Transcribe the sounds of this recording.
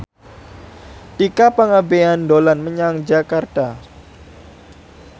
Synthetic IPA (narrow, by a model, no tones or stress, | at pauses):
t̪ikapəŋabeandolanməɲaŋd͡ʒakart̪a